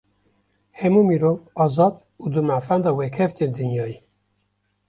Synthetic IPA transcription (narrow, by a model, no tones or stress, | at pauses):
hɛmuːmiɾoːvɑːzɑːd̪ | uːd̪ɨmæfænd̪ɑːwɛkʰɛft̪eːnd̪ɨnjɑːjiː